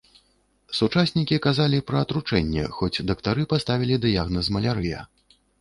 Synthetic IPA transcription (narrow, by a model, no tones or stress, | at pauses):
sut͡ʂasʲnʲikʲikazalʲipɾɐːt̪ɾut͡ʂɛnʲːɛ̰xɔd͡zʲd̪ɐkt̪aɾɨpast̪avʲilʲid̪ɨjaɣnɐzmɐlʲaɾɨjɛ̰